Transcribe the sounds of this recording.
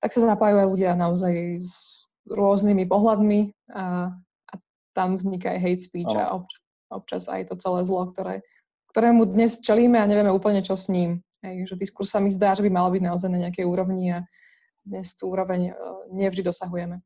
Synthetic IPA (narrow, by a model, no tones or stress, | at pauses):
t̪aksazapaːjuajluɟɪanaɔzajz | ɾʊɔznimipɔɦlad̪mia | ʔa | t̪amvzɲikaa̰jɦɛjt̪spiːt͡ʃa̰ʔɔp̚t͡ʃa | ɔ̰p̚t͡ʃa̰za̰jt̪ɔt͡sɛlɛːzlɔkt̪ɔɾɛ̰ː | kt̪ɔɾɛːmud̪ɲɛst͡ʃɛliːmɛaɲɛʋɪɛmɛuːpl̩ɲɛt͡ʃɔsɲiːm | ɦɛjʒɛd̪iskuɾssamizd̪aːʒɛbimalɔbiɟnaɔzajnaɲɛakɛjuːɾɔʊɲia | d̪ɲɛst̪uuːɾɔʋɛɲɲɪɛvʒd̪id̪ɔsaɦujɛmɛ